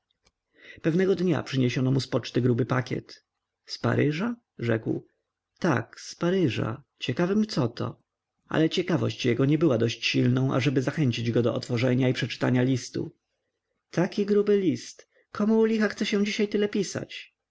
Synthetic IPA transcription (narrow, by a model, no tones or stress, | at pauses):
pɛvnɛɡɔd̪ɲa̰pʂɘɲɛɕɔnɔmuspɔt͡ʂt̪ɘɡɾubɘpakʲɛ̰t̪ | spa̰ɾɘʐa | ʐɛ̰kw | t̪a̰kspaɾɘʐa̰ | t͡ɕɛkavɘmt̪sɔt̪ɔ̰ | a̰lɛt͡ɕɛkavɔ̰ɕt͡ɕjɛɡɔɲɛbɘwad̪ɔɕt͡ɕɕilnɔ̃w̃ʔa̰ʐɛbɘzaxɛɲt͡ɕid͡ʑɡɔd̪ɔʔɔt̪fɔʐɛɲaipʂɛt͡ʂɘ̥t̪aɲalʲist̪ṵ | t̪akʲiɡɾubɘlʲist̪ | kʰɔmulʲixaxt̪sɛɕɛ̃d͡ʑiɕajt̪ɘlɛpʲisa̰t͡ɕ